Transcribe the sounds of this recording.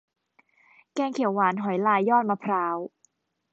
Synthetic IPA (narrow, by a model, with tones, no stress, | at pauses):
kɛː˧ŋkʰi˨˩˦wːaː˩˦nɦɔ˨˩˦jlaː˧jːɔː˥˩t̪̚maː˧pʰɾaː˦˥w